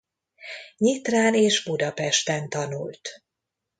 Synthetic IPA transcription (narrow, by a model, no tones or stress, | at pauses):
ɲit̪raːneːʒbud̪ɒpɛʃt̪ɛnt̪ɒnṵlt̪